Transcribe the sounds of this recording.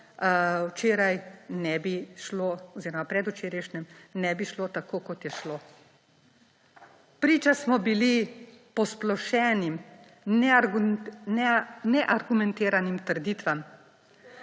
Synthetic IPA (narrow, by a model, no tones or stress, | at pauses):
wt͡ʃeːɾajnɛbiʃloɔziːɾɔmapɾɛd̪ut͡ʃeːɾɛʃnʲɛmnɛbiʃlot̪akoːkɔt̪jɛʃloː | pɾiːt͡ʃasmɔbilipɔsplɔʃɛːnim | nɛ | nɛnɛʔaɾɡumɛ̃nt̪eːɾanimt̪əɾd̪iːt̪ʋam